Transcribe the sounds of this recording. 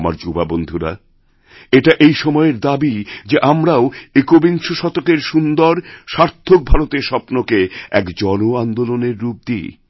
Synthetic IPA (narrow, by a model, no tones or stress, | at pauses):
ma̰ɾd͡ʑubabond̪ʱuɾa̰ | eʈaʔejʃɔmɔeeɾd̪abid͡ʑeʔamɾaoekobiŋʃoʃɔt̪okeɾʃund̪oɾʃaɾt̪ʰːok̚bʱaɾot̪eɾʃɔpnokeɛ̰kd͡ʑɔnoand̪oloneɾːup̚d̪i